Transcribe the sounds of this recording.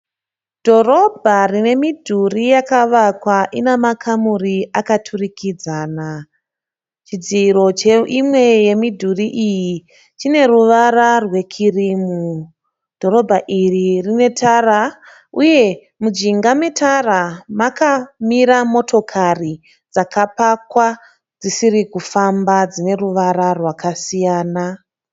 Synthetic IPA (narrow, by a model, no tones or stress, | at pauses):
d̥ʱo̞ro̞bʱarine̞midʱurijakaʋakwaʔinemakʰamuriakatʰurikid͡zaːna | t͡ʃid͡ziːɾo̞t͡ʃeimwe̞je̞midʱuriʔiji | t͡ʃine̞ɾuʋararwe̞kʰiriːmu | d̥ʱo̞ɾo̞bʱaʔiririne̞tʰara | uje̞ | mud͡ʒiŋɡame̞tʰaramakamiɾamo̞tʰo̞kʰari | d͡zakapakwa | d͡zisiɾikufambad͡zine̞ruʋaɾarwakasijaːna